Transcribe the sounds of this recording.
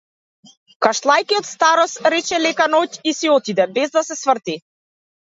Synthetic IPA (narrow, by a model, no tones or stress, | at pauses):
kaʃlˠajkiɔt̪st̪aɾɔsɾɛt͡ʃɛlɛkanɔcisiɔt̪id̪ɛbɛzd̪asɛsvr̩t̪i